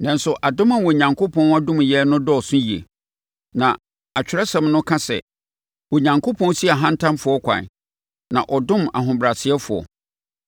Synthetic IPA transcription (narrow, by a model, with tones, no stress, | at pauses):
nã˨n̩˦sʊ˨ʔa˨dʊ̃˦mã˨wɔ˨ɲã˨ŋkʰo˦pʰɔ̃˦na˦dʊ̃˦m˨jɛ˦nʊ̃˦dɔ˦ɔ˨sʊ̃˦ji˨ḛ˨ | nã˨ | a˨t͡ɕᶣɪ˨˦ɾa˦sɛ̃˨mnʊ̃˦kʰã˦sɛ̰˨ | wɔ˨ɲã˨ŋkʰo˦pʰɔ̃˦n˦si˦a˨ɦã˦n̩˦tʰã˦mfʊ˨ɔ˦kʷʰã̰˨n | nã̰˨ʔɔ˨dʊ̃˦ma̰˨ɦʊ̃˨bɾa˨sɪ˨˦ɛ˦fʊ˨ɔ̰˨